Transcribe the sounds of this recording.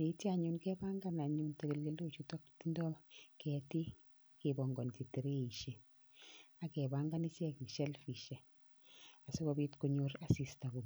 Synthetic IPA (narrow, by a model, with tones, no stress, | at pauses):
ne˨i˦ti˦a˨ɲu˨nkɛ˦ba˦ŋɡa˦na˨ɲunte˨ke˨lɡe˦lo˦t͡ʃu˦tɔ˦kti˦ndɔ˦mkɛ˦ti˦ | kebɔ˨ŋɡɔ˨nki˨te˨ɾe˦i˨ʃe˨ | a˨kɛ˨ba˦ŋɡa˦ni˦sɛ˦kni˨ʃɛ˦lfi˨ʃɛ˨ | a˨so˦kɔ˨bi˦tko˦ɲoɾa˨si˨sta˨bu˨